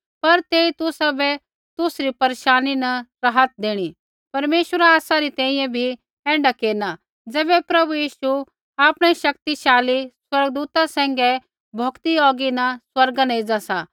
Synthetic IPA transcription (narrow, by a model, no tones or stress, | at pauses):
pɐɾt̪eːit̪ʊsabɛ | t̪ʊsɾipɐɾeːʃaːninɐɾɐɦət̪̚d̪eːɽ̃i | pɐɾmeːʃwəɾaaːsaɾit̪ɛ̃ːĩjɛ̃bʱi | ɛ̃ːɳɖakeːna | d͡zɛːbɛpɾɐbujiːʃu | aːpɽ̃ɛʃɐk̚t̪iʃaːliswɐɾɡd̪uːt̪asɛ̃ːŋɡɛ | bʱokt̪iɔːɡinɐswɐɾɡanɐeid͡zasa̰